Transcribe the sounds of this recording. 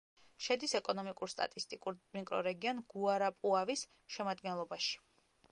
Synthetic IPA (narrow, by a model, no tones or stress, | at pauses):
ʃɛd̪isɛkʼɔnɔmikʼuɾst̪ʼa̰t̪ʼist̪ʼikʼuɾmikʼɾɔ̰ɾɛɡiɔnɡ̥uaɾapʼuavis | ʃɛmad̪ɡɛnlˠɔbaʃi̥